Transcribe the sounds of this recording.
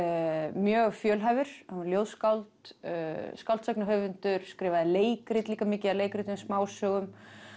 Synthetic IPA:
mjœːɣfjœːlɦajvɪɾ̥hanljoːwðskawlt̪ | skawlt̪sajknaɦœvɪnt̪ʏɾ̥skɾɪːvaðɪleːjkɾɪt̪liːkamɪːcɪaleːjkɾɪt̪ɪsmaːwsœɣʏm

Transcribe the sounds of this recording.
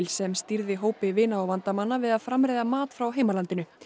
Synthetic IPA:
lsɛmst̪iɾðɪɦoːwpɪvɪːnaːwvant̪amanːavɪðaðfɾamɾeːjðamaːt̪fɾawɦeːjmalant̪ɪnʏ

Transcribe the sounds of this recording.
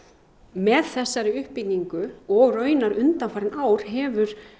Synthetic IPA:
mɛðθɛsːaɾɪʏhpːicɲiŋkʏɔɣrœːɥnaɾʏnt̪anfaːɾɪnaːwɾ̥ɦɛvʏɾ̥

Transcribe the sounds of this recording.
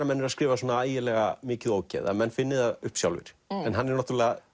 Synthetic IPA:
ɾamɛnːɪɾaskɾɪːvasoːnaaːjɪlɛɣamɪːcɪðoːwcɛ̰ða̰mɛnːfɪnːɪðaðʏhpsjawlvɪ̰ɾ̥ɛnɦanːɛɾnaht̪ɾlɛɣa

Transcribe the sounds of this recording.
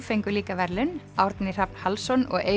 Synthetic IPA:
fejŋkʏliːkavɛɾlɪnawɾt̪nɪr̥apn̥halsɔnɔɣeː

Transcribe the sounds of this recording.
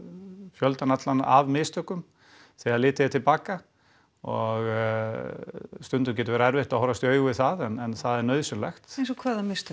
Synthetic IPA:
fjœlt̪anat̪lanʔavmɪːst̪œkʏm | θɛːɣaɾlɪːt̪ɪat̪ʰɪlpaːka | ɔɣ | st̪ʏnt̪ʏmc̬ɛt̪ʏvɛːɾaɛɾvɪht̪aðhɔwɾast̪jœːɥɣʏvɪθaðɛnɛnθaðɛɾnœːɥðsʏlɛxt̪ejnsɔkʰvaːðamɪst̪œ

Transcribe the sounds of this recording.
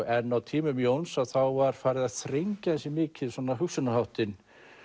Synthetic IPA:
ɛnːawt̪ʰiːmʏmjownsaθawvaɾ̥faːɾɪðaðθɾeɲcaɛnsɛmɪːcɪðsɔːnaɦʏksʏnahawht̪ɪn

